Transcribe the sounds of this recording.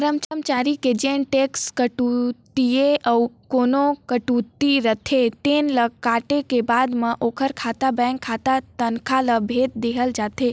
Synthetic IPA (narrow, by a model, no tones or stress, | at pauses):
əɾəmt͡ʃəmt͡ʃaːɾiked͡ʒẽnʈekskəʈut̪ieʔəwkonokəʈut̪iɾət̪ʰet̪eːnləkaːʈekebad̪mə̃ʔoːkʰəɾkʰaːt̪abɛ̃ŋkʰːat̪at̪ənkʰaləbʱet̪̚d̪eɦəld͡ʒaːt̪ʰe